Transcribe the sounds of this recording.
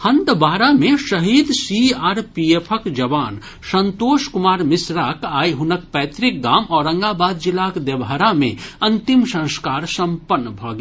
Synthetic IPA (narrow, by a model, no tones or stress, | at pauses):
hɐ̃nt̪baːɾamẽʃɐɦiːd̪siaːɾpiepʰəkd͡ʒɐʋaːn | sɐ̃nt̪oːʃkʊmaːɾmɪsɾaːkaːiɦʊnək̚pɛːt̪ɾɪk̚ɡaːmɔːɾɐ̃ŋɡaːbaːd̪̚d͡ʒɪlaːkd̪ebaɾamḛ̃ɐ̃nt̪ɪmsɐ̃nskaːɾsɐ̃mpənːbʱɔːɡ